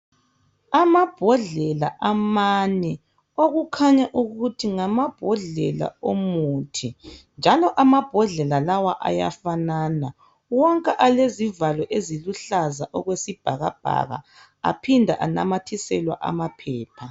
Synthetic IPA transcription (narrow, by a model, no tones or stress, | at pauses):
amab̥ʱɔɮɛlaʔamanɛ | oɣukʰaɲaʔuɣutʰiŋamab̥ʱɔɮɛla̰omuːtʰind͡ʒʱalɔʔamab̥ʱɔɮɛlalawaʔa̰ja̰fanana | wɔŋkʼɛʔalezivalɔʔeziluɬazaʔɔɣwesib̥ʱaɣab̥̚ʱa̰ɣa̰ | a̰pʰindʱaʔana̰matʰisɛlwa̰ʔa̰mapʰɛːpʰa